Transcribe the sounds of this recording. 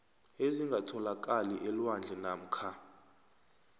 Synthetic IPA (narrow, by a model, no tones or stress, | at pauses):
eziŋɡʱatʰɔlak̬ʼaliʔɛlwand͡ɮʱɛnam̩kʰa